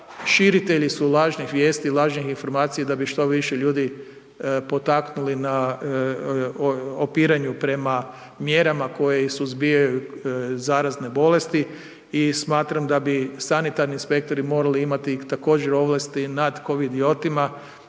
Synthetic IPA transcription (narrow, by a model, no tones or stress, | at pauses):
ʃiɾit̪e̞ʎisulˠaːʒnixʋje̞ːst̪ilˠaːʒnixinfo̞ɾmaːt̪sijad̪abiʃt̪o̞ʋiʃeʎuːd̪i | po̞t̪aknulina | opiːɾaɲupɾe̞ma | mje̞ɾamako̞jeisuzbijajuzaːɾazne̞bo̞le̞st̪i | ismaːt̪ɾamd̪abisanit̪aɾniːnspe̞k̚t̪o̞ɾimo̞ːɾaliimat̪it̪ako̞ːd͡ʒeɾo̞ʋlast̪inad̪ko̞ʋid̪io̞t̪ima